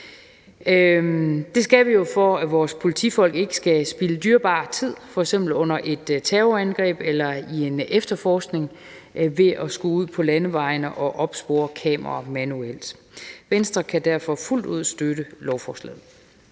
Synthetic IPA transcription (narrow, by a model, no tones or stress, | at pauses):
d̥e̝sɡ̥æʋijo̝fɒæʋɒːspʰo̝lit͡sʰḭfɒ̽l̰ɡ̥e̝ɡ̥ə̥sɡ̥æsb̥iləd̥yɐb̥ɑ̰̈ːt͡sʰið̰ˠfɒ̽eɡ̥sem̰b̥l̩ɔ̽n̰ɐʔe̝d̥t͡sʰɛːʊænɡ̥ʁɛ̰ːb̥elɐie̝nefd̥ɐfɒːsɡ̥ne̝ŋ | ʋe̝ʔɒsɡ̥ouð̞̰ˠpʰɒ̽lænəʋɑ̈ɪnəʔɒ̽ʔɒ̽b̥sb̥o̝̰ːɐkʰɛ̰ːmʔɐʁɑmænuel̰d̥ | ʋensd̥ʁɐkʰæd̥æɐ̰fɒ̽ful̰d̥uð̞̰ˠsd̥øɾəlɒʊfɒslɛ̰ð̩ˠ